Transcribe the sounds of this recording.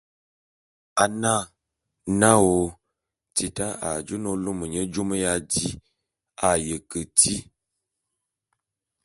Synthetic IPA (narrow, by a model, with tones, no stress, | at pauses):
a˨na˦˨ | na˦wo˨ | ti˨ta˦a̰˨d͡ʒə˦no˦lo˦mə˨ɲə˦d͡ʒo˦mə˦ja˦di˦ | a˨jə˨kə˨ti˦